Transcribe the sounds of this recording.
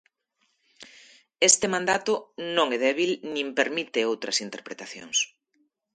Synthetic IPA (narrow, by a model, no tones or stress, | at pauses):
est̪ɪmãnd̪at̪ʊnõŋɛðɛβilnĩmpeɾmit̪ɪowt̪ɾɐsint̪eɾpɾet̪aθjo̰ŋs